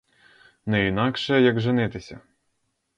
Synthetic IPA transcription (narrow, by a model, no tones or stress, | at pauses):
nɛinɑkʃɛjɐɡʒɪnɪt̪ɪsʲɐ̰